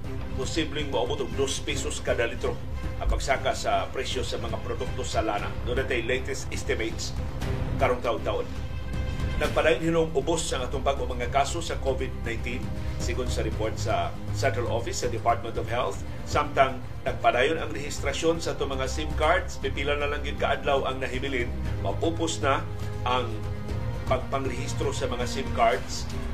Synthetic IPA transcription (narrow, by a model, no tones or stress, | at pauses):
pʊsiblɪŋmɐʔʊbʊt̪ʊɡ̚d̪ospisoskad̪alɪt̪ɾo | ʔɐpɐɡsaːkasɐpɾɛsjosɐmɐŋapɾod̪ʊk̚t̪osalana̰d̪ond̪at̪ajlejt̪ɛst̪ɪst̪ɪmejt̪s | kaɾoŋt̪aʔʊŋt̪aʔon | nɐɡ̚pɐd̪aːjʊnhɪnoŋʔʊbosːɐŋɐt̪ʊŋbaɡomɐŋakasosɐkovɪd̪̚najnt̪in | sɪɡʊnd̪sɐɾɪpoɹt̪̚sɐ̰ | sɛnt̪ɾalʔo̰fɪsːɐd̪ɪpaɹt̪̚mɛnt̪ɔv̥hɛlθ | samt̪aŋ | nɐɡ̚pɐd̪aːjonɐŋɾɛhɪst̪ɾɐʃo̞nsɐʔat̪oŋmɐŋasɪmkaɹd̪spibiːlanːɐlaŋɡɪd̪̚kaʔad̪lawʔɐŋnɐɦɪmɪlɪnmɐ̰puːpʊsna | ʔaŋ | pɐɡ̚pɐŋɾɛhist̪ɾosɐmɐŋasɪmkaɹd̪s